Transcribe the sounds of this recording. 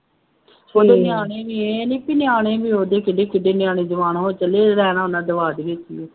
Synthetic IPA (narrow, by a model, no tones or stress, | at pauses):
oːd̪oːnɪjaːɽ̃ẽːbiːeniːpiːnɪjaːɽeːbiːoːd̪eːkɪɖeːkɪɖeːnɪjaːɽẽːd͡ʒəʋaːnːɦoːt͡ʃəleːɾɛːnãːnãːd̪əʋaːd̪ɡeːsiː